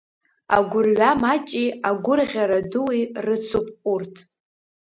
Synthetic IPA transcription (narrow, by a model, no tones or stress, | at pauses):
a̰ɡʷʊrɥamat͡ʃʼiaɡʷʊrʁʲaɾaduwirɨt͡sʰupʼurtʰ